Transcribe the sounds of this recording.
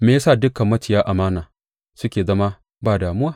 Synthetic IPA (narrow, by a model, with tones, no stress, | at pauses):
meː˨ja˦saː˦˨dʊ˦kɐ˨mːɐ˦tɪ˨jaː˦ʔa˨maː˦naː˨ | sʊ˦kʲeː˨zɐ˦ma˦ | baː˦˨daː˨mʊ˦waː˦˨